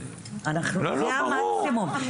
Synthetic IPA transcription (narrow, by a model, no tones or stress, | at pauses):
anaχnumaksɪmʊm